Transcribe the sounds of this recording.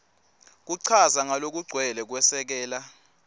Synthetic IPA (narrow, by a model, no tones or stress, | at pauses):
k̬uǀʰazaŋalok̬uɡ͡ǀʱwɛlɛk̬wɛsɛk̬ɛːla